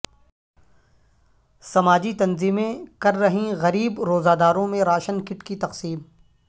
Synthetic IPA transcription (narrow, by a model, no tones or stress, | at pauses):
sɐmaːd͡ʒit̪ɐnziːmẽkɐɾːɐɦĩɣɐɾiːbɾoːzaːd̪aːɾõmẽɾaːʃənkɪʈkit̪ɐqsiːm